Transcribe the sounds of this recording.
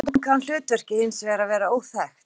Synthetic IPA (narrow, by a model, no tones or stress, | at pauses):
t̪mkʰanl̥ʏːt̪vɛr̥cɪhɪnsvɛːɾavɛːɾaoːwθɛxt̪